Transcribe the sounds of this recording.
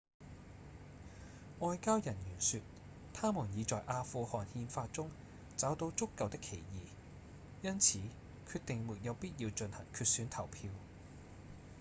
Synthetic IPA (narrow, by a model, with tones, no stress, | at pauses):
ŋɔː˧jkaː˥wjɐ˨˩njyː˨˩nsyː˧t̚ | t̪ʰaː˥muː˨˩njiː˨˧t͡sɔː˨˩jʔaː˧fuː˧hɔː˨nhiː˧nfaː˧t̚t͡sʊ˥ŋ | t͡sɐ˨˥wt̪o˨˥wt͡sʊ˥kːɐ˨wt̪ɪ˥kʰːe˨˩jjiː˨ | jɐ˥nt͡sʰiː˨˥ | kʰyː˧t̚t̪ɪ˨ŋmuː˨˩t̚jɐ˨˧wpiː˥t̚jiː˧wt͡ʃɵ˧nhɐ̰˨˩ŋkʰyː˧t̚syː˨˥nt̪ʰɐ˨˩wpʰiː˧w